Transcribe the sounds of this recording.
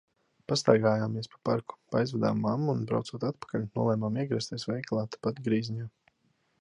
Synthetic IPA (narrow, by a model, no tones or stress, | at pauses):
past̪aɾɡaːjaːmːiɛspḁpaɾku̥paajzvad̪a̰ːmːamuːnbɾa̰wt̪suɔt̪at̪̚pḁkalʲnuɔlˠɛːmaːmiɛɡɾɛst̪ʲiɛsvɛjklˠaːt̪ḁpat̪ɡɾiːzɲaː